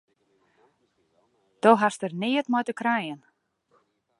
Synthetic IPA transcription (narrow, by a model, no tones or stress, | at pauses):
θowɦar̥st̪ɛɾnɪːjɪt̪maːjt̪ʏkʰɾaːjɪn